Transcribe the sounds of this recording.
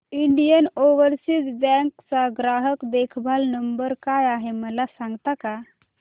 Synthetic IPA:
iɳɖijənoʋəɾsid͡zbɛ̃ŋkt͡saɡɾaɦəkd̪ekʰbʱalnəmbəɾkajaɦeməlasãŋɡt̪aka

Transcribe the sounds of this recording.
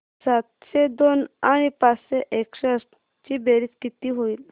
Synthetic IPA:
sat̪sed̪onaɽ̃ipat͡sseʔekɕeəs | t͡ɕibeɾit͡skit̪iːɦoiːl

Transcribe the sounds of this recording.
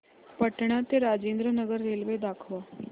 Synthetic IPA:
pəʈɳat̪eɾad͡ʑend̪ɾənəɡəɾːelʋed̪akʰʋa

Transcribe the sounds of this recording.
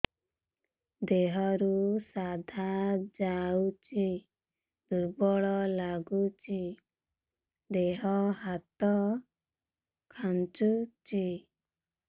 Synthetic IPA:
d̪eɦɔɾusad̪ʱad͡ʒaut͡ʃi | d̪uɾbɔɭɔlaɡut͡ʃʰi | d̪eɦɔɦat̪ɔ | kʰant͡ʃut͡ʃi

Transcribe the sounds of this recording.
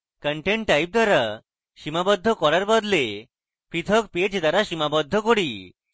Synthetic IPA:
kəɳʈeɳʈʈːajp̚d̪aɾa | ʃimabɔd̪ʱːɔkɔɾaɾbɔd̪le | pʰɾit̪ʰɔkped͡ʑd̪aɾaʃimabɔd̪ʱːɔkɔɽi

